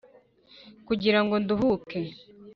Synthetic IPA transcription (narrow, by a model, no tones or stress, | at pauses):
kuɟiɾaŋɡo̞nduɦuke